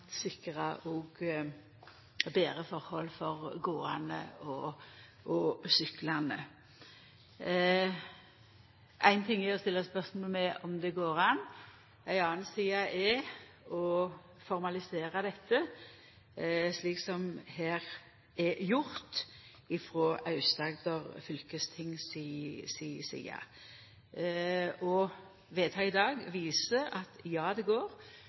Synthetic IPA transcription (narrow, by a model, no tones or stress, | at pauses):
sɪkʁɑʔɔːɡ | beːɾəfɔʁhɔlfɔʁɡoːɑ̰nə̰ɔ | ɔsʏklɑnə̰ | ʔæɪnt̪ʰɪŋjæɔst̪ɪlːəspœʁsmɔːlmɛʔɔmd̪ɛɡoːɾɑn | æɪɑːnsiːɑʔɛ | ɔ | fɔɾmɑlɪseːɾɑd̪ɛt̪ʰːə | ʂliːksɔmhæːɾ | ɛjʊɾt̪ | ɪfɾoːʔɑʉst̪ɑːɡd̪ɔʁfʏlkəst̪ʰɪŋːsisiːsḭːɑ̰ | ɔ | ʋeːt̪ʰɑːɪd̪ɑːɡʋiːsəɑt̪jɑːd̪ɛɡoːɾ